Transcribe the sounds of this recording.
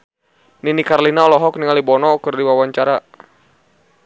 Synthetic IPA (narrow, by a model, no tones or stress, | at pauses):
ninikarlinaɔlɔɦɔk̚niŋalibɔnɔkɨrdiwawaɲt͡ʃaɾa